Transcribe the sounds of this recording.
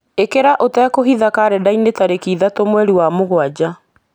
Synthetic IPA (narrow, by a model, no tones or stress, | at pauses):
ekeɾaʔotɛkoɦiðakaɾɛdainetaɾekiːðatomwɛɾiwamoɣwad͡ʑa